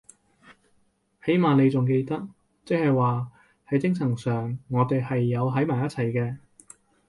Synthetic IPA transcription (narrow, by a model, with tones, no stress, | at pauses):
he˨˥jmaː˨ne˨˧jt͡sʊ˨ŋk̬e˧jt̪ɐ˥k̚ | t͡sɪ˥k̚hɐ˨jwaː˨˩ | hɐ˨˥jt͡sɪ˥ŋsʰɐ˨˩ŋsœː˨˩ŋːɔː˨˧t̪e˨jhɐ˨jːɐ˨˧wɦɐ˨˥jmaː˨˩jɐ˥t̚t͡sʰɐ˨˩jkɛː˧